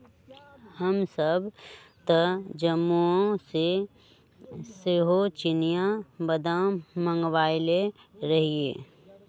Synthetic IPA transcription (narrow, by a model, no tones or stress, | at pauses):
həmsəbt̪əd͡ʒəmːuõse | seɦot͡ʃɪnijãbəd̪ãmə̃ŋɡwaːɪle | ɾəɦiḛː